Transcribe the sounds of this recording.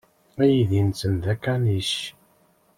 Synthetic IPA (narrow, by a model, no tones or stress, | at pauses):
æjiðint͡sːənðækːæniʃ